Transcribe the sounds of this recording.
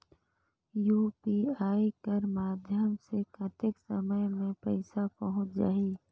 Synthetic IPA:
juːpiaːikəɾmaːd̪ʱjəmsekʰət̪ɪksəməjmẽpɛɪsapɐɦʊ̃t͡ʃd͡ʒaːiː

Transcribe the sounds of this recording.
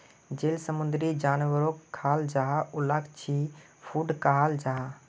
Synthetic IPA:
d͡ʒelsəmund̪ɾid͡ʒanʋəɾokʰːald͡ʒaɦaulakt͡ʃʰi | pʰuɖkaɦald͡ʒaɦa

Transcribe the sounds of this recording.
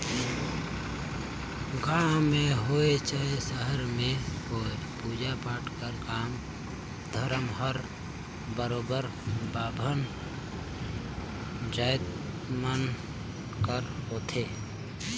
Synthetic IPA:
ɡamẽɦoːet͡ʃaesəɦəɾmẽoːe | puːd͡ʒapaːʈʰkəɾkaːm | d̪ʱəɾəmɦəɾ | bəɾoːbəɾ | baːbʱən | d͡ʒəjt̪ | mən | kəɾɦoːt̪ʰeː

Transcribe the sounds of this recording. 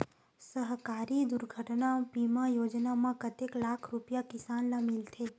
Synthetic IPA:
səɦkaːɾid̪ʊɾɡʱəʈnabimãjoːd͡ʒnamãkət̪eklaːkʰɾupijakɪsaːnlamɪlt̪ʰe

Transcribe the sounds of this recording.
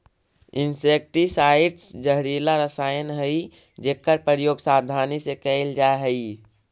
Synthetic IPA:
insek̚ʈisaiʈsd͡ʒəɦɾilaɾəsaːjənɦəi | d͡ʒeːkːəɾpəɾjoːɡsabd̪ʱaːnisekəɪld͡ʒaɦəi

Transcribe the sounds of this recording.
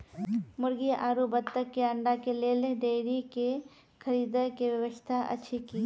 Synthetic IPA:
mʊɾɡiʔaːɾubət̪ːəkːeɐɳɖakeleːleɖeɾike | kʰɐɾiːd̪əkeʋjɐʋəst̪ʰaʔɐ̰tːʃʰikiː

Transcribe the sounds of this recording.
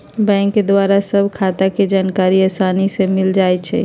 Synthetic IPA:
bɛ̃ːŋkːed̪waɾasəbʱkʰat̪aked͡ʒaːnkaːɾiasaːnisemɪld͡ʒaːɛt͡ʃʰɛ̰

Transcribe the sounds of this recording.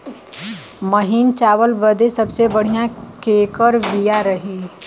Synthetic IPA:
məɦint͡ʃaːʋəlbəd̪esɐbsebɐɽ̤ijãkeːkəɾʋijaɾɐɦiː

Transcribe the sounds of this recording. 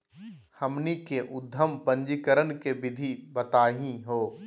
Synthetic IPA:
hɐmnikeʔʊd̪ʱːəmpə̃ɲd͡ʒikəɾənkebɪd̪ʱibət̪aːɦĩɦoː

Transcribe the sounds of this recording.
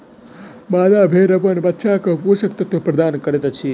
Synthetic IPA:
maːd̪abʱeɾəpəɳbət̪ːʃʰakəpuʃək̚t̪ɐt̪ʋəpɾɐd̪ankəɾet̪t͡ʃʰi

